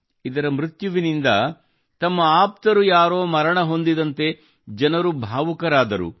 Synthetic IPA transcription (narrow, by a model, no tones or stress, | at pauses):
id̪ɐɾɐmɾit̪juʋinind̪ɐ | t̪ɐmːɐaːp̚t̪ɐɾujaːɾo̞ːmɐɾɐɳɐɦo̞nd̪id̪ɐnt̪e̞ | d͡ʒɐnɐɾubʱaːʋukɐɾaːd̪ɐɾṵ